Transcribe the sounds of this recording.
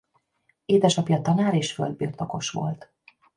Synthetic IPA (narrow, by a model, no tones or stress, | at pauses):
eːd̪ɛʃɒpjɒt̪ɒnaːɾeːʃfø̰ld̪̚biːrt̪o̞ko̞ʃʋo̞̰lt̪